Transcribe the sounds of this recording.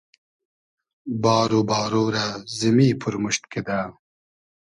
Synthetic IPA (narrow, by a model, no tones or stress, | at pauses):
bɑːɾubɑːɾoɾazimipʰʊɾmʊɕt̪ked̪aː